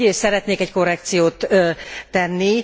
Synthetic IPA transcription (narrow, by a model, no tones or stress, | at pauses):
esɛɾɛt̪neːkɛcko̞rːɛkt̪sijoːt̪ː | ɛnːi